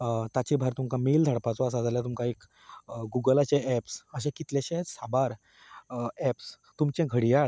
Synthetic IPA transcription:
t̪at͡ɕibʱaɾt̪umkameːld̪ʱaɽpat͡sɔas̬ad͡zaljat̪umkaek | ɡuɡəlat͡ɕeɛpsəɕɛ̃kit̪ljaɕɛ̃sabaɾ | ɛps | t̪umt͡ɕɛ̃ɡʱəɽijaɭ

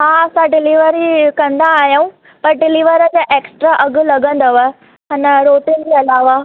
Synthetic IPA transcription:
ɦãɐsãɖɪliʋəɾikɐ̃nd̪aːɦjaũ | pɐɾɖɪliʋəɾəd͡ʑaʔeːksʈɾaʔɐɡlɐɡə̃nd̪aʋaɦe | ɦɐnɾoːʈind͡ʑiɐlaːʋa

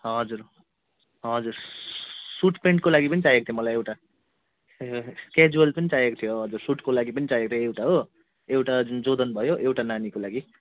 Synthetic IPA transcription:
ɦʌd͡zur | ɦʌd͡zur | suʈpeɳʈ̚kolaɡipʌnit͡sajekot̪ʰjomʌlajewʈa | ked͡zuʌlpʌnit͡sajekot̪ʰijoɦʌd͡zursuʈkolaɡipʌnit͡sajekot̪ʰjoewʈaɦo | ewʈad͡zund͡zod̪ʌnbʱʌjoʔewʈananikolaɡi

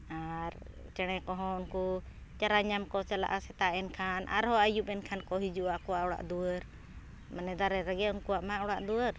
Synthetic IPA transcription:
aɾ | t͡ʃɛɽ̃ɛkɔɦɔ̃unku | t͡ʃaɾaɲamkɔt͡ʃala̰ʔasɛt̪aʔɛnkʰanʔa̰ɾhɔajupɛnkʰankɔɦid͡ʒuʔaʔkɔwaʔɔɽa̰ʔd̪uwəɾ | manɛd̪aɾɛɾɛɡɛunkuwaʔmaaʔɔɽaʔd̪uəɾ

